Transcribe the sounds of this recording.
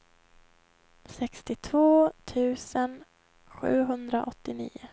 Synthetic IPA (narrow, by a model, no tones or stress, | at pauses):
sɛkst̪ɪt̪ʰvoːt̪ʰʉ̟ːsən | ɧʉ̟̰ːɦɵnd̪ɾa̰ʔɔt̪ːɪnḭːʊ